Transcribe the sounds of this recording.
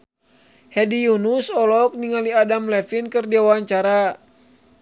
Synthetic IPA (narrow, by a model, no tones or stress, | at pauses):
hɛdijunusɔlɔk̚niŋaliadamlɛfinkɨrdiawaaɲt͡ʃaɾa